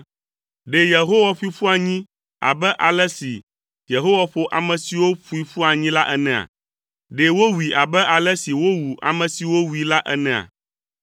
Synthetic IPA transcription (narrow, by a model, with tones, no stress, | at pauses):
ɖe˨je˨ɦo˦wa˦ɸu˦i˦ɸu˦a˨ɲĩ˦ | a̰˨bɛ˦ʔa˨lɛ˦si˨ | je˨ɦo˦wa˦ɸo˨ʔa̰˨mɛ̃˨si˨wo˦ɸu˦i˨ɸu˦a˨ɲĩ˦la˦ʔɛ˦nɛ̃˨a̰˨ | ɖe˨wo˦wi˨ʔa˨bɛ˦ʔa˨lɛ˦si˨wo˦wu˨ʔa̰˨mɛ̃˨si˨wo˦wu˨i˨la˦ʔɛ˦nɛ̃˨a̰˨